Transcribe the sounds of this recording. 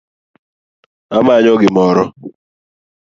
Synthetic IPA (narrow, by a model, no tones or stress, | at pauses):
amaɲɔɡɪmɔɾɔ